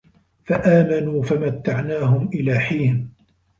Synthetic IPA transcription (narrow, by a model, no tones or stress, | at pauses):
faʔaːmanuːfamat̪ːaʕnaːhʊmʔɪlaːħiːn